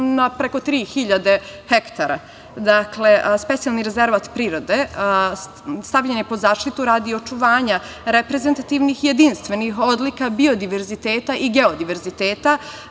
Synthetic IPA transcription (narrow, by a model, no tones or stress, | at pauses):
napɾeko̞t̪ɾiːxiʎad̪ehekt̪aɾa̰ | d̪akle̞spe̞t̪sijalniɾe̞ze̞ɾʋat̪pɾiːɾo̞d̪e | st̪aʋʎenepo̞zaːʃt̪it̪uɾaːd̪io̞t͡ʃuʋaːɲa | ɾepɾeze̞nt̪at̪iːʋnixjed̪inst̪ʋe̞nixo̞d̪likabio̞d̪iʋe̞ɾzit̪eːt̪aʔiɡeo̞d̪iʋe̞ɾzit̪eːt̪a